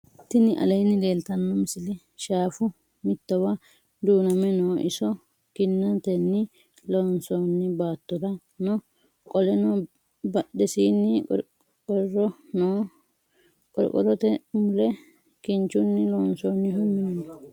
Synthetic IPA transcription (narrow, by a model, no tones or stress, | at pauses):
t̪ːɪnɪʔɐ̰lɐjnːɪd̪e̞ːlt̪ɐnːɔmɪsɪlɪ | ʃaːfʊ | mɪt̪ːɐwɐ | d̪uːnɐmɛnoːʔɪ̰sɔ | kɪnːɐt̪ɛnːɪ | loːnsɔːnːɪbaːt̪ːɔd̪ɐ | nɔ | kʼɔlɛnɔ | bɐɗɛsiːnːɪɾ | kʼɔɾɔnoː | kʼɔɾ̰kʼɔ̰ɾɔt̪ɛmʊlɛ | kɪnt͡ʃːʊnːɪloːnsoːnːɪɦʊmːɪnɐnɔ